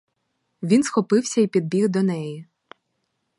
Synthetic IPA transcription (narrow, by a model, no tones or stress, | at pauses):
ʋʲinsxɔpɪwsʲɐipʲid̪̚bʲiɣd̪ɔnɛji